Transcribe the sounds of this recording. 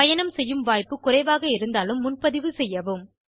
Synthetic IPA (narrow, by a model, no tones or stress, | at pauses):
ɐjɐnɐmsɛjːɯmʋaːjpːɯkːʊrɐɪʋaːɣɐɪɾɯnd̪aːlɯmːʊnpɐðɪʋɯsɛjːɐʋɯm